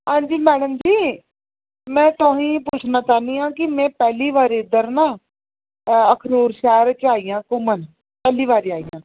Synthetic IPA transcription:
ɦãːɲd͡ʒiːmɛːɽəmd͡ʒiː | mɛ̃ːt̪oɦĩːpuːt͡ʃʰnaːt͡ʃaːnĩːãːkɪmɛ̃ːpɛːliːʋaːɾɪd̪əɾnãː | əkʰnoːɾʃɛːɾt͡ʃaːijãːkʊmən | pɛːliːʋaːɾaːijã̰ː

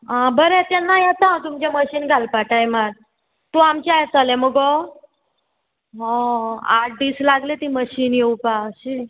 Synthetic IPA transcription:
ɦãbəɾɛt̪ɛnːajat̪ãwt̪umt͡ɕẽməɕiːnɡʱalpaʈajmaɾ | t̪uamt͡ɕajt͡səlẽməɡɔ | ɦɔ̃aʈ̚ʰd̪iːslaɡlet̪iməɕiːnjeupaɕi

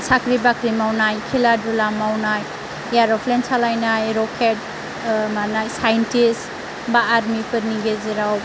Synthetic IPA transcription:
sakɾibakɾimawnajkʰiladulamawnaj | jaɾɔpʰlensalajnajɾɔkʰet̚ | manajsajentis | baːɾmipʰɯɾniɡeziɾaw

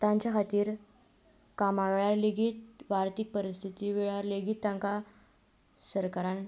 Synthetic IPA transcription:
t̪ãɲt͡ɕjakʰat̪iːɾ | kamaʋeɭaɾleɡiːt̪̚ʋaɾt̪ik̚pəɾist̪ʰit̪iːʋeɭaɾleɡiːt̪ːãŋka | səɾkaɾan

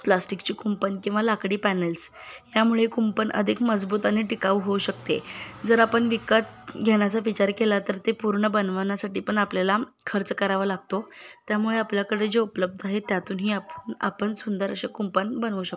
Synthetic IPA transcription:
plasʈikt͡ɕiːkumpənkĩw̃ʋalakɽiːpænəls | ɦjamuɭekumpənʔə̰d̪ʱikməd͡zbuːt̪aniʈikaʋuɦouɕəkt̪ed͡zəɾapəɳʋikət̪̚ɡʱeɳ̃jat͡saʋit͡ɕaɾkelat̪əɾt̪epuɾɳəbənʋnjasaʈiːpəɳapljala | kʰəɾt͡səkəɾaʋəlaɡ̚t̪ot̪jamuɭeapljakəɽed͡zeupləb̚d̪ʱaɦet̪jat̪uːnɦiːapəna̰pəɳsund̪əɾəɕekumpənbənʋuːɕək̚

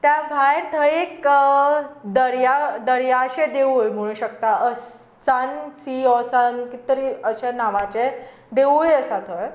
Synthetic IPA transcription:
t̪jabʱajɾt̪ʰəjek | d̪əɾjad̪əɾjaəɕed̪eʋujm̤əɽ̃ũɕəkt̪aəs | t͡sant͡siɔsankit̪əɾiəɕanaʋat͡ɕe | d̪eʋujəsat̪ʰəj

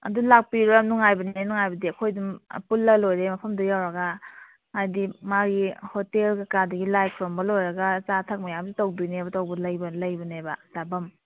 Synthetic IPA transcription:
ɐ̰dulak̚piɾanuŋajbɐnenuŋajbɐdiɐkʰojdumpulːɐlojɾemɐpʰɐmdɐjawɾɐɡɐ | ŋajdimaɡihotelkakadɐɡilajpʰɾombɐlojɾɐɡɐt͡ʃatʰɐk̚mɐjamzitowdujnebɐtowbɐlɐjbɐlɐjbɐnebɐzabɐm

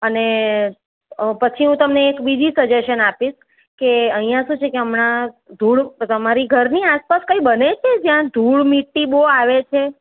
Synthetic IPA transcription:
əne | pət͡ʃʰiɦũt̪əmneːkbid̪ʱisəd͡ʒeʃənapiʃ | keəɦĩjãʃũt͡ʃʰekeəmɳad̪ʱuɭt̪əmaɾiɡʱəɾniaspaskəibənet͡ʃʰed͡ʒjãd̪ʱuɭmiʈːiboaʋet͡ʃʰe

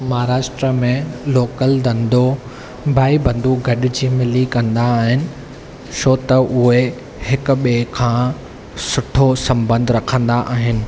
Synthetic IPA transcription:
maːɾaːʃʈɾəmẽloːkəld̪ɐ̃nd̪o | bʱaːibɐ̃nd̪uɡʱɐɗɪd͡ʑiːmɪlikɐ̃nd̪aːɦɪnɪ̆ | sʰoːt̪ɐʔʊɦe | hɪkʊ̆ɓekʰãː | sʊʈʰosɐ̃mbə̃nd̪ʱɾɐkʰə̃nd̪aʔaːɦɪnɪ̆

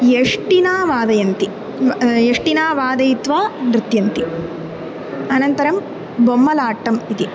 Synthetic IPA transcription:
jeʂʈinaːʋaːd̪ɐjɐnt̪i | jeʂʈinaːʋaːd̪ɐjit̪ʋanɾɪt̪jɐnt̪i | ɐnɐnt̪ɐɾɐm | bomːɐlaːʈːɐmit̪i

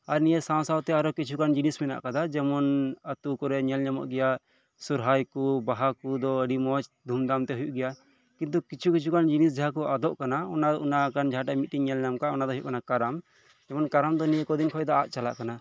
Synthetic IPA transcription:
aɾnijesãw̃sawt̪ɛaɾɔkit͡ʃʰukand͡ʒinismɛna̰ʔkad̪ad͡ʒɛmɔnət̪ukɔɾɛɲɛlɲamɔ̰ʔɡɛja | suɾɦajkubaɦakud̪ɔəɖimɔt͡ʃd̪ʱumd̪amt̪ɛɦujuʔɡɛja | kint̪̬ukit͡ʃʰukit͡ʃʰukand͡ʒinis̬d͡ʒaɦak̬ɔʔad̪ɔʔkanaɔnaunakand͡ʒʱaʈamit̪̚ːiŋɲɛlɲamkaɔnad̪ɔɦujuʔkanakaɾam | d͡ʒɛmɔnkaɾamd̪ɔnijekɔd̪inkʰɔjd̪ɔaʔ̚t͡ʃala̰ʔkana

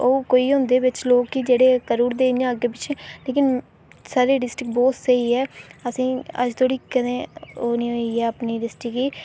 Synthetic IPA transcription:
oːkoːiːɦʊ̃nd̪eːbɪt͡ʃloːkːid͡ʒeːɽeːkəɾuːɾd̪eːẽəɡeːpɪt͡ʃʰːleːkɪn | saːɾiːɖɪsʈɪk̚bɔːt̪səiːɛːəsĩːə̰d͡ʒt̪ʰoːɽiːkənẽːoːnĩːɦoiɛːəpniːɖɪsʈɪkiː

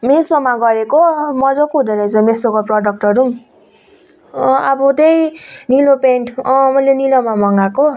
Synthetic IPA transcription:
mesomaɡʌɾekomʌd͡zʌkuɦud̪eɾʌjd͡zʌmesokaprʌɖʌk̚ʈʌɾu | abud̪ejnilopeɳʈʌmʌjlenilomamʌŋɡako

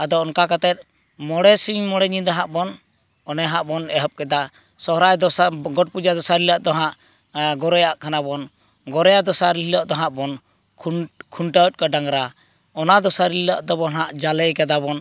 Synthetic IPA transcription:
ad̪ɔɔnkakat̪ɛt̪̚ | mɔɽɛsiɲmɔɽɛɲid̪aɦaʔbɔn | ɔnɛɦaʔbɔnɛɦɔp̚kɛd̪a | sɔɦɾajd̪ɔsɡɔʈ̚pud͡ʒad̪ɔsaɾilaʔd̪ɔɦaʔ | ɡɔɾɔjaʔkʰanabɔn | ɡɔɾɔjad̪ɔsaɾililɔʔd̪ɔɦaʔbɔnʰ | kʰuɳʈat̪̚kɔɖaŋɾa | ɔnad̪ɔsaɾilaʔd̪ɔbɔnɦaʔd͡ʒalɛjkɛd̪abɔn

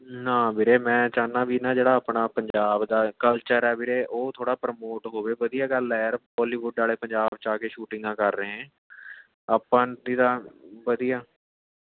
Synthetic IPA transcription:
nãːbɪɾeːmɛ̃ːt͡ʃaːnãːʋiːnãːd͡ʒeːɽaːəːpnaːpəɲd͡ʒaːbd̪aːkəlt͡ʃəɾɛːbɪːɾeːʔoːt̪ʰoːɽaːpɾəmoːʈɦoːʋeːʋəd̪ijaːɡəlɛːɾbɔːliːʋʊɖaːleːpəɲd͡ʒaːbt͡ʃaːkeːʃuːʈɪ̃ŋɡãːkəɾːeːɦɛ̃ː | aːpãːd̪iːd̪aːʋəd̪ijaː

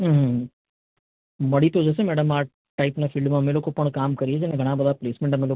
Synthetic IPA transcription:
ɦɦ | bɐɽit̪od͡ʒɛːs̬emɛːɖəmaː | ʈaɪpnafʰɪlɖmãmɪlokopɐɽ̃kaːmkɐɾied͡ʒɛnẽɡʱɐɽ̃abɐd̪apleːsmẽɳʈamɪlo

